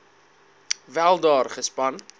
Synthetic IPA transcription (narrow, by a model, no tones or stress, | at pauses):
vælˠdɑːrχəspɐn